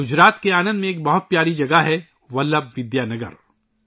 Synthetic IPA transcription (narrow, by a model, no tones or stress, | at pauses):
ʊd͡ʒɾaːt̪keaːnə̃nd̪mẽːk̚bɐɦʊt̪̚pjaːɾid͡ʒɐɡaɦɛ | ʋɐlːəbʋɪd̪jaːnɐɡə̰ɾ